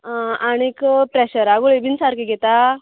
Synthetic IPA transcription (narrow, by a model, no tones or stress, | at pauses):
aɽ̃ikpɾeɕəɾaɡuɭebinsaɾkiɡɛt̪a